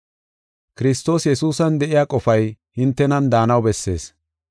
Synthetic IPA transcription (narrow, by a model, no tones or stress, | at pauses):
kɪɾɪst̪o̞ːsjɛsuːsɐnd̪ɛʔɪjaːkʼɔfɐjhɪnt̪ːɛnɐnd̪aːnɐwbɛsːe̞̰ːs